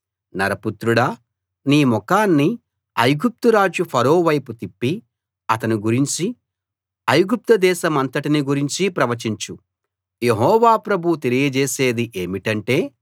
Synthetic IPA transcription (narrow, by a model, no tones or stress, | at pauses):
nɐɾɐput̪ɾuɽɐ | niːmɔkaːnːi | ɐjɡup̚t̪uɾaːd͡ʒupʰɐɾo̞ːʋɐjput̪ipːi | ɐt̪ɐniɡuɾiɲt͡ʃi | ɐjɡup̚t̪ɐd̪ɛːʃɐmɐnt̪ɐʈiniɡuɾiɲt͡ʃipɾɐʋɐt͡ʃiɲt͡ʃu | je̞ɦɔːʋaːpɾɐbʱut̪e̞lijɐd͡ʒeːse̞ːd̪iʔe̞ːmiʈɐɳʈe̞ː